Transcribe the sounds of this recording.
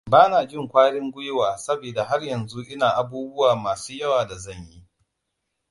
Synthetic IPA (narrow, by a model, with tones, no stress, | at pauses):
baː˦naː˨d͡ʒɪ˦˨ŋkʷaː˦ɽɪ˦ŋɡʷʊ˦jwaː˨sɐ˦beː˨da˨ɦa˦rjɐ˨nzu˦ʔɪ˦naː˨ʔa˨buː˦bʊ˦waː˨maː˨suː˦jɐ˦waː˨da˨zɐ˦˨ɲji˦